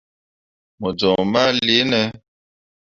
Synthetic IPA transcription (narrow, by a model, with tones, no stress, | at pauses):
mɔ˨d͡ʒɔ˨ma˦li˨˦nɛ˦